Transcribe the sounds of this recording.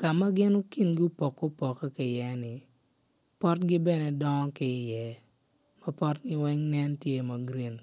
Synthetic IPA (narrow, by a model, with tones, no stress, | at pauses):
ka˨ma˦ɡɪ˦no˦ki˦nɡu˦pɔ˨kːo˦pɔ˨kːɔ˦kɪ˨jɛ˦nɪ˨ | pɔ˦tɡɪ˦bɛ˦ne˨dɔ˦ŋɔ˦kɪ˨˦jɛ˨ | ma˦pɔ˦tɡɪ˦wɛ˦ŋnɛ˦ntje˦ma˨ɡɾi˦˨n